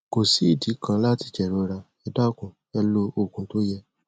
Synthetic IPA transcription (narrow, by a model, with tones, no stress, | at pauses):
ko˨si˨˦i˦˨di˨˦kʰã˧la˦ti˧˨t͡ʃɛ˨ɾo˧ɾa˧ | ɛ˧da˦˨kũ˨ | ɛ˧lo˧o˦˨kũ˨˦to˦jɛ˧